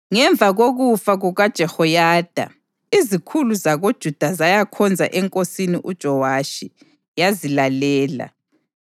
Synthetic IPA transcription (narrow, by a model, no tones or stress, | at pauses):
ŋɛɱb̪vʱaɣoɣufaɣuɣad̥ʒ̥ʱɛhɔjaːd̥ʱa̰ | izikʰuluzaɣod̥ʒ̥ʱud̥ʱazajakʰɔnd͡zʱa̰ʔɛŋkʼosiniʔud̥ʒ̥ʱɔwaʃi | jazilalɛːla̰